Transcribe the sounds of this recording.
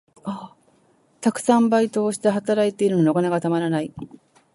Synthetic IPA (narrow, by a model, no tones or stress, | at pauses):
a | t̪akɯ̟̥sãmbait̪o̞ːɕi̥t̪eɦat̪aɾait̪e̞iɾɯnookaneɡat̪amaɾanai